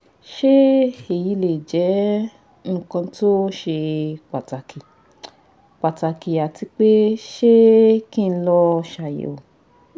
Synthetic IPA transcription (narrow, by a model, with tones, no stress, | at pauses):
ʃe˦e˨ji˨˧˦le˨d͡ʒɛ˨˦ | ŋ̩ː˦˧˨kã˧to˦ʃe˧k͡pa˨ta˨ki˨ | k͡pa˨ta˨ki˨a˨ti˧k͡pe˦ʃe˦kĩ˦˧n̩˧˦lɔ˧ʃa˨jḛ˨o˨